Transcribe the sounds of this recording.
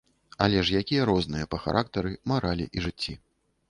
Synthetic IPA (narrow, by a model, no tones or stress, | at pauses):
ɐ̰lʲɛʂjakʲijɐɾɔznɨjɐpɐxa̰ɾʔak̚t̪ɐɾɨmaɾʔalʲḭʔiʐɨt͡sʲːi